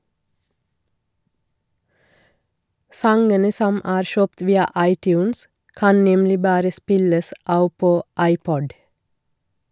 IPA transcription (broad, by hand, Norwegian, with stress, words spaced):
ˈsɑŋənə ˈsɔm ˈʔæːɾ ˈʃøːpt ˈʋiːɑ ˈɑɪˌtjʉːns ˈkɑn ˈnɛmlɪ ˈbɑːɾə ˈspɪləs ˈʔɑːʋ ˈpoː ˈʔɑɪˌpɔd